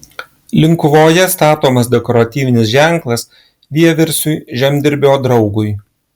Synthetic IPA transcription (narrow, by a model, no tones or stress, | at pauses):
lʲɪŋkʊʋoːjɛst̪ɑːt̪oːmɐs̬d̪ʲɛkɔːɾɐt̪ʲiːʋʲɪnʲɪsʒʲæˑŋklˠɐs | d̪ʲiɛʋʲɛɾʲsʲʊjʒʲɛmʲd̪ʲɪɾʲbʲoːd̪ɾɒʊɡʊj